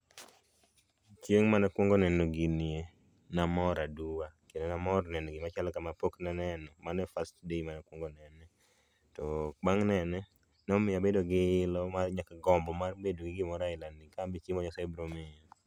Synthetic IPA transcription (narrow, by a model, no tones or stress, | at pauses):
t͡ʃjeŋmanɛkwoŋɡɔnɛnoɡinie | namɔɾaduwakendenamɔrnɛnɔɡɪmat͡ʃalɔkamapoknanɛnɔmanɛfastdeimanakwoŋɡonɛnɛ | tɔk͡paŋnɛnɛ | nɔmɪjabedoɡɪɪlɔmarɲakaɡɔmbɔmarbedoɡɪɡɪmɔɾaɪlanɪkambit͡ʃimɔɲɔsɛbɾomɪɔ